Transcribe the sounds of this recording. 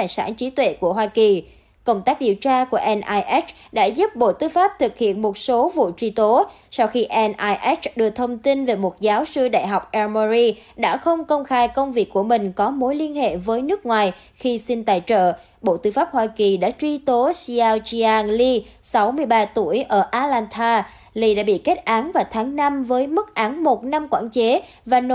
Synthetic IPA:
aː˧˩jsa̰ː˧˩nt͡ɕi˨˦t̪wḛ˧˨ku˧˩əɦwaː˧ki˨˩ | kə˧wŋ͡mt̪aː˦˥k̚ɗi˨˩əwt͡ɕaː˧ku˧˩əʔɛ˧nʔaː˧jʔɛ˦˥t͡ɕ | ɗa̰ː˧˥zu˦˥p̚ɓo̰˧˨t̪ɨ˧faː˦˥p̚t̪ʰɨ˨˩k̚hḭ˧˨ənmo˨˩t̚so˨˦vṵ˧˨t͡ɕwi˧t̪o˨˦ | sa˧wxi˧ʔɛ˧nʔaː˧jʔɛ˦˥t͡ɕɗɨ˨˩ək̚t̪ʰə˧wŋ͡mt̪i˧nve˨˩mo˨˩t̚zaː˨˦wsɨ˧ɗa̰ː˧˨jɦa˨˩wk͡p̚ʔɛ˧mɔ˧zi˧ɗa̰ː˧˥xə˧wŋ͡mkə˧wŋ͡mxaː˧jkə˧wŋ͡mvi˨˩əkːu˧˩əmï˨˩ŋ̟kɔ˨˦mo˨˦jli˧ənhḛ˧˨vəː˨˦jnɨ˦˥ək̚ŋwaː˨˩j | xi˧si˧nt̪a̰ː˨jt͡ɕə̰ː˧˨ | ɓo̰˧˨t̪ɨ˧faː˦˥p̚hwaː˧ki˨˩ɗa̰ː˧˥t͡ɕwi˧t̪o˨˦si˧aː˧wt͡ɕi˧aː˧nli˧sa˨˦wmɨ˧əjɓaː˧t̪u˧˩əjʔəː˧˩ʔaː˧laː˧nt̪ʰaː˧ | li˧ɗa̰ː˧˥ɓḭ˧˨ke˦˥t̚ʔaː˨˦nvaː˨˩t̪ʰaː˨˦ŋna˧mvəː˨˦jmɨ˦˥t̚ʔaː˨˦nmo˨˩t̚na˧mkwa̰ː˧˩nt͡ɕe˨˦ | vaː˨˩n˧

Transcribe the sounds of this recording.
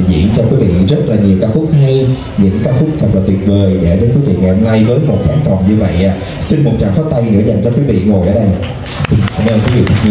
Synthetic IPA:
zḭ˧˨ənt͡ɕɔ˧kwi˨˦vḭ˧˨zə˦˥t̚laː˨˩ɲi˨˩əwkaː˨˦xu˦˥t̚ha˧j | ɲɨ̰˧˥ŋkaː˨˦xu˦˥k̚t̪ʰə˨˩t̚laː˨˩t̪wi˨˩ən̚vəː˨˩jɗɛ̰ː˧˩ɗe˨˦nkwi˨˦vḭ˧˨ŋa˨˩jho˧mna˧jvəː˨˦jmo˨˩t̚faː˨˦nkɔ˨˩ŋ͡mɲɨ˧və̰˧˨jʔa˨˩ | si˧nmo˨˩t̚t͡ɕa̰ː˧˨ŋfɔː˨˦˥t̪a˧jnɨ̰˧˥əza˨˩ŋ̟t͡ɕɔ˧kwi˨˦vḭ˧˨ŋo˨˩jʔəː˨˦ɗə˧j | a˧mː˧nkwi˨˦vḭ˧˨t̪ʰə˨˩ɲ˧

